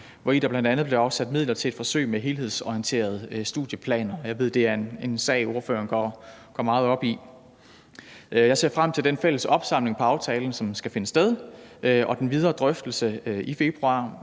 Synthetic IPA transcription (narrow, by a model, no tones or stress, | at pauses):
ʋɒid̥ɑ̈b̥lænd̥ænð̩ˠb̥le̝ɑ̈ʊsæd̥mið̰ˠlɐt͡sʰe̝le̝d̥fɒ̽sø̰ɪ̰meɦe̝ːlhe̝ð̞̰ˠsɒiənt͡sʰe̝̰ːɐð̞̩ˠsd̥uðˠjəpʰlɛ̰ːnɐjɑ̈ɪʋe̝ð̞̰ˠd̥e̝æɐe̝ne̝nsɛ̰ɪo̝ɐfø̰ːɐnɡ̥ɒ̰ | ɡ̥ɒmɑ̈ːð̩ˠɒ̽b̥i | jɑ̈ɪse̝ɐfʁam̰t͡sʰeld̥enfel̰əsɒ̽b̥sɑ̈m̰le̝ŋpʰɒ̽ɑ̈ʊt͡sʰɛːln̩sɒ̽msɡ̥æfe̝nəsd̥eð̞ˠʔɒ̽d̥enʋið̞ˠɐːd̥ʁœfd̥l̩səife̝b̥ʁuɑ̈ː